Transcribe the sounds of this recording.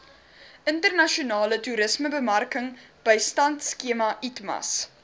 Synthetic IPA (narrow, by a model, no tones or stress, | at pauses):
ʔəntərnɐʃiunɑːlətuɾəsməbəmɐrkəŋ | b̥əjstɐntskiəmɐʔitmɐ̰s